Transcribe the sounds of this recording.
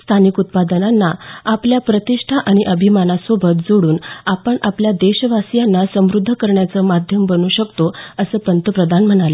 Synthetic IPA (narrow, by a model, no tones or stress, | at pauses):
st̪ʰanikut̪̚pad̪ənanːaapljapɾət̪iʂʈʰaʔaɽ̃iʔəbʱimanasobʱət̪̚d͡zoɽuːnapəɳapljad̪eɕəʋasijanːasə̃mɾud̪ʱːəkəɾɳjat͡səːmad̪ʱjəmbənuːɕəkt̪oəsəːpənt̪əpɾəd̪ʱanm̤əɽ̃ale